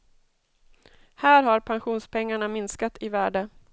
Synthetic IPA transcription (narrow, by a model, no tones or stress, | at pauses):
hæːɾɦaɾpʰanɧuːnspʰɛŋːaɳamɪnskat̪ʰɪvæːɖə